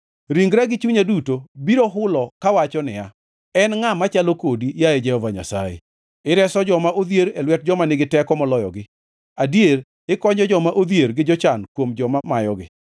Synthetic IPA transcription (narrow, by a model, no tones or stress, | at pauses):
ɾiŋɡɾaɡɪt͡ʃuɲadutobiɾoɦʊlɔkawat͡ʃɔnɪ̰ja | ɛnŋamat͡ʃalokodijaed͡ʒɛhɔvaɲa̰sa̰jḛ | ɪɾɛsɔd͡ʒɔmaʔod̪jeɾelwɛt̚d͡ʒɔmanɪɡɪtɛkɔmɔlɔjɔ̰ɡɪ | adjeɾ | ɪkɔɲɔd͡ʒɔmaʔod̪jeɾɡɪd͡ʒɔt͡ʃankwomd͡ʒɔmamajɔɡɪ̰